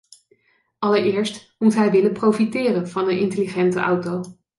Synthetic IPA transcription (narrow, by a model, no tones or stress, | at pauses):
ɑləɹɪːɹstmutɦɛjʋɪləprowfitɪːrənv̥ɑnənʔɪ̰ntəliχɛntəʔʌwtow